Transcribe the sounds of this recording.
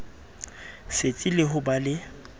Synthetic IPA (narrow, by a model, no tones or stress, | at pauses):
set͡sʼilɪɦʊbalɪ